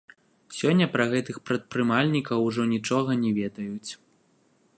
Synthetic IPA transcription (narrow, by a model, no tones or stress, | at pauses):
sʲɔnʲːɐpɾɐɣɛt̪ɨxpɾɐt̪̚pɾɨmalʲnʲikɐwʐɔnʲit͡ʂɔɣɐnʲɛvʲɛd̪ɐjut͡sʲ